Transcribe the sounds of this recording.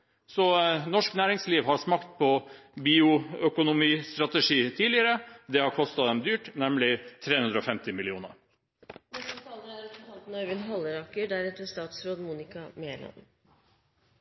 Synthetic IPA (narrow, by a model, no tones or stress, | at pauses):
sɔnɔʂknæːɾɪŋsliːʋhɑɾʂmɑkt̪̚pʰɔbiːʊœkʊnʊmiːst̪ɾɑt̪əʂiːt̪ʰiːlɪəɾəd̪ɛhɑɾkʰɔst̪ɑd̪ɛmd̪yːʈnɛmlɪt̪ʰɾeːhʉnd̪ɾəɔfɛmt̪ɪmɪlɪuːnə̰ɾ | mɛsɔt̪ɑːləæɾɔt̪fəɑlt̪nɔɾʋɪnɦɑlːəɾɑkəɖæɾɛt̪əst̪ɑːt̪sɾoːd̪muːnɪkɑmeəɳɑ̰n